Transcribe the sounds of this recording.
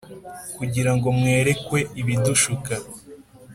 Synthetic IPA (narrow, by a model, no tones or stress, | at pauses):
kuɟiɾaŋɡo̞mŋe̞ːɾe̞kwe̞iβiduʃuka